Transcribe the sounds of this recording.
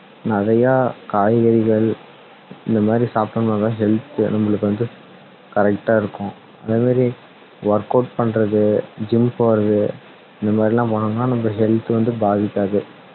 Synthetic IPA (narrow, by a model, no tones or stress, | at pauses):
nɐɾɐjaːkaːjɣɐɾɪɣɐɭ | ɪnd̪ɐmaːd̪ɾisaːpʈɐmãt̪ãːɦɛlt̪ɯnɐmːɐɭɯkːɯʋɐnd̪ɯ | kɐɾɛk̚ʈaːɪɾɯkːʊ̃ | ɐðeːmaːd̪ɾi | ʋɐɾkoːʈ̚pɐɳɾɐðɯd͡ʒɪmpoːɾɐðɯ | ɪnd̪ɐmaːd̪ɾilːãːpoːɳɯŋɡɐnaːnɐmbɐɦɛlt̪ːɯʋɐnd̪ɯbaːðɪkːaːðɯ